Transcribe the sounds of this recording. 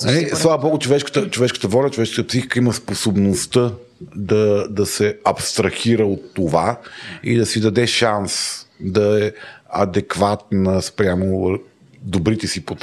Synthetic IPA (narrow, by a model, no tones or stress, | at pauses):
ɐlissllˠavɐbɔɡʊt͡ʃovɛʃkə̥t̪ət͡ʃovɛʃkə̥t̪əvɔlʲɐt͡ʃovɛʃkt̪əpsixi̥kəiməsposobnost̪ə | d̪ɐd̪ɐsɛɐpst̪ɾɐxiɾəot̪ːovaḭd̪ɐsid̪ɐd̪ɛʃansd̪ɐɛɐd̪ɛkvat̪̚nəspɾʲjamo | d̪obɾit̪ɛsipot̪